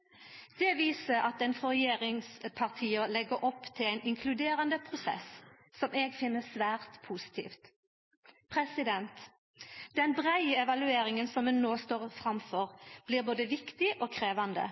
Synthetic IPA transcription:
d̪̥ɛʋiːsəɾɑt̪ɛnfɔʁɛjeːʁɪŋspʰɑʁt̪ʰiːəlɛɡəɾʔɔpːt̪ʰɪlæɪnɪŋkʰlʉd̪eːʁɑnd̪əpʰʁʊsɛ̰s | sɔmʔeːɡfɪnːəsʋæːʁt̪pʰuːsɪ̥t̪ʰḭːft̪ | pʰʁɛsɪd̪ɛnt̪ | d̪̥ɛnbʁæɪəɛʋɑlʉeːɾɪŋənsɔmhʉnːoːst̪oːʁfʁɑmfɔʁb̥liːʁboːd̪əʋɪkt̪ɪʔoːkʰʁeːʋɑnd̪ə̰

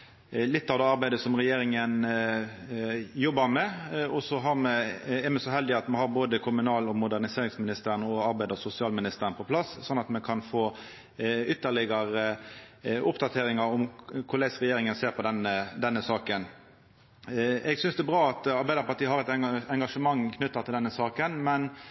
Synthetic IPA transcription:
lɪt̪ːɑʋd̪ɛːɑɾbæɪd̪əsɔmʁɛjeːɾɪŋən | jɔbːəɾmɛɔsɔɦɑɾmɛɛɾmɛsɔɦɛld̪ɪɑt̪mɛhɑɾboːd̪əkʰʊmʉnɑːlɔmʊd̪æʁnɪseːɾɪŋsmɪnɪst̪əɾənɔɑɾbæɪd̪əsʊsɪɑːlmɪnɪst̪əɾənəpʰɔpʰlɑssɔnːɑt̪mɛkʰɑnfoː | ʏt̪ːəɭɪɡəɾə | ʔʊpd̪ɑt̪ʰeːɾɪŋɑɾʊmkʰʊlæɪsʁɛjeːɾɪŋənseːɾpʰɔd̪ɛnːəd̪ɛnːəsɑːkən | ɛɡsʏnsd̪ɛbʁɑːɑt̪ɑɾbæɪd̪əɾpɑʈiːhɑɾɛt̪ɛɛŋɡɑʂəmɑŋːkʰnʉt̪ːət̪ɪld̪ɛnːəsɑːkənmɛn

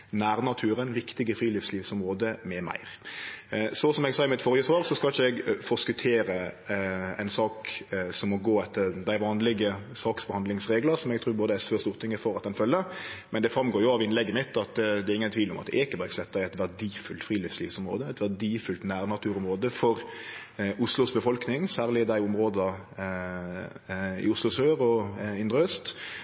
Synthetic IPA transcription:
næːɾnɑt̪ʰʉːɾənʋɪkt̪ɪɡəfɾiːlifsliːfsɔmɾoːd̪əmɛmæ̰ɪɾ | sɔsɔmɛɡsɑːɪmɪt̪fɔɾjəsʋɑːʁsɔskɑlɪçəɛɡfɔskʉt̪ʰeːɾə | ɛ̰ɪnsɑːksɔmːɔɡoːɛt̪ʰːəɾd̪æɪʋɑːnlɪɡəsɑːksbəhɑnd̪lɪŋsɾeːɡləɾsɔmɛɡ̚t̪ʰɾʉːboːd̪əæsʋøːst̪uːʁt̪ʰɪŋːəfɔɾɑt̪̚d̪ɛnfœlːəɾmɛnd̪ɛfɾɑmɡoːjʊɑʋɪnlɛɡːəmɪt̪ːɑt̪d̪ɛɾɪŋːənt̪ʰʋiːʋlɔ̰mɑt̪ɛɪkːəbæɡsɛt̪ːæɪɛt̪ʋæʁdiːfʉlt̪fɾiːliːfsliːfsɔmɾoːd̪əæɪt̪ʋæʁd̪iːfʉlt̪næːɾnɑt̪ʰʉːɾʊmʁoːd̪əfɔɾ | ʔʊslʊsbəfɔlknɪŋsæːʁlɪd̪æɪʊmɾoːd̪əɑ | ɪ̰ʊslʊsøːɾɔɪnd̪ɾəøːst̪

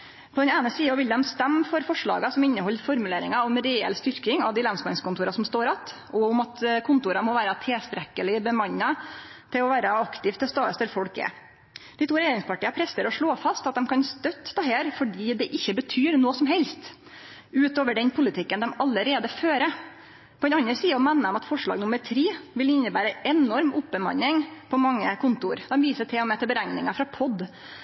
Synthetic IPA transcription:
pʰɔd̪ɛneːnəsiːɔʋɪld̪ɛmst̪ɛmːfɔɾfɔʂɭɑ̰ːɡɑsɔmɪnːəhɔlːfɔɾmʉleːɾɪŋɑɔmɾɛɛ̰lst̪ʏɾkɪŋɑ̰ʋd̪ɪlɑnsmɑnskʊnt̪uːɾɑsɔmst̪oːɾɑt̪ | ɔʊmɑt̪kʰʊnt̪uːɾɑmɔʋæːɾɑt̪ʰeːst̪ɾɛkːəlɪbəmɑɲːɑt̪ʰɪlɔʋæːɾəɑkt̪ɪʋt̪ʰɪlst̪ɑːəst̪ɛlfɔɽkɛ̰ | d̪̥ɪt̪uːɾɛjeːɾɪŋspɑʈiːəpʰɾɛst̪əɾɔʂɭoːfɑst̪ɑt̪̚d̪ɛmkʰɑnst̪œt̪ːd̪ɑɦeːɾfɔɖiːd̪ɛʔɪçːəbət̪ʰyːɾnoːsɔmɦɛlst̪ | ʉːt̪oːʋəɖɛnpʰʊlɪt̪ʰɪkːənd̪ɛmɑlːəɾeːd̪əføːɾə | pʰɔɛnɑnəsiːəɔmɛnːəmɑt̪fɔʂɭɑ̰ːɡnʊməɾt̪ʰɾiːʋɪlɪnːəbæːɾəɛnɔɾmʊpːəmɑ̰nːɪŋpʰɔmɑŋːəkʰʊnt̪ʊɾd̪ɛmʋiːsəʈʰɪɔmɛːt̪əbəɾæŋnɪŋɑfɾɑpʰɔd̪

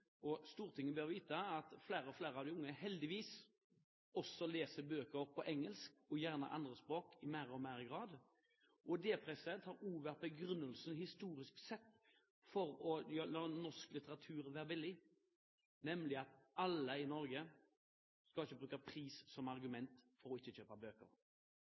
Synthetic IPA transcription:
ɔst̪uːʁt̪ʰɪŋːəbøːɾʋiːt̪ɑɑt̪flæːɾəɔflæːɾəɑʋd̪ɪʊŋːəhɛld̪ɪʋiːs | ɔsɔleːsəbøːkəpʰɔʔɛŋːəlskɔjæʁnə̰ʔɑ̰nd̪ɾəspʁoːkɪmæːɾɔmæːɾɡɾɑːd̪ | ʔɔd̪eːpʰɾɛsət̪hɑːɾuːʋæɾt̪̚bɛɡɾʉnːəlsnhɪst̪uːɾɪsksɛt̪ː | fɔɾɔjølɑːnɔsklɪt̪əʁɑt̪ʰʉːɾʋæːɾʋɪlːɪ | nɛmlɪɑt̪ɑləɪnɔɾɡə | skɑlɪçːəbɾʉːkəpʰɾiːssɔmɑʁɡʉmɛnt̪fɔɾɔɪçːət͡ʃøːpɑbøːkə̰ɾ

